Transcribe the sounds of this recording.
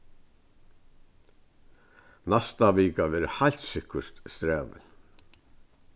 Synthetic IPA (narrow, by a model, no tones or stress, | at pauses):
nast̪aʋiːkaʋɛːɾhajlt̪sɪkːəst̪st̪ɾɛːʋɪ̰l